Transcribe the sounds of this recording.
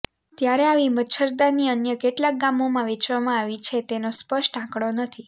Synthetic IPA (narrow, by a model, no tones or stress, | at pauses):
t̪jaɾeaʋiməʃʰəɾd̪aniənjəkeʈlak̚ɡamomãʋet͡ʃʋamãaʋit͡ʃʰet̪enospəʃʈãkɽonət̪ʰi